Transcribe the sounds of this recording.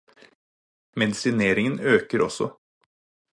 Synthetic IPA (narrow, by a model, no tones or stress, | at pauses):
mɛd̪ɪsɪneːɾɪŋənøːkəɾʔɔ̰sɔ̰